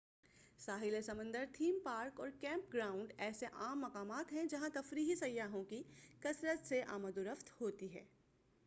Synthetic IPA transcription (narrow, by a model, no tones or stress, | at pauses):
saːɦɪlesɐmə̃nd̪əɾt̪ʰiːmpaːɾkɔːɾkɛ̃ːmpɡɾaːʊ̃ɳɖɛːseʔaːmːɐkaːmaːt̪ɦɛ̃d͡ʒɐɦãt̪ɐfɾiːɦisɐjːaːɦõkikɐsɾət̪seʔa̰ːməd̪ʊɾəft̪ʰhoːt̪iɦɛ̰ː